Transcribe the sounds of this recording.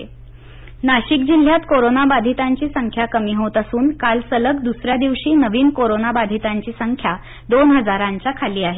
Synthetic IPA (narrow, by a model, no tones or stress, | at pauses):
naɕik̚d͡ʑil̤ːjat̪koɾonabad̪ʱit̪aɲt͡ɕiːsəŋkʰjakəmiːɦot̪asuːnkalsələkd̪usɾjad̪iʋɕiːnəʋiːnkoɾonabad̪ʱit̪aɲt͡ɕiːsəŋkʰja | d̪onɦəd͡zaɾãɲt͡ɕjakʰaliːaɦe